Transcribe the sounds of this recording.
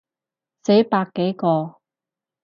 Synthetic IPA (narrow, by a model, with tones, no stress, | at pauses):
se˨˥jpaː˧kːe˨˥jkɔː˧